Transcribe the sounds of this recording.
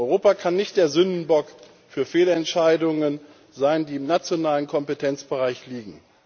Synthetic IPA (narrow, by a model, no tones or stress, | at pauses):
ɔʏʁoːpakʰanːɪçt̚d̥eːɐzʏndn̩bɔk | fyːɐfeːlɛntʃaɪdʊŋən | zaɪndiːɪmnat͡sjonaːlənkʰɔmpetʰɛnt͡sb̥əʁaɪçliːɡŋ̩